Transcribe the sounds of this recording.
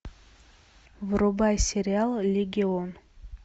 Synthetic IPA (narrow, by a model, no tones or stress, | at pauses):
vɾobajsʲeɾʲɪalˠlʲeɡʲɪon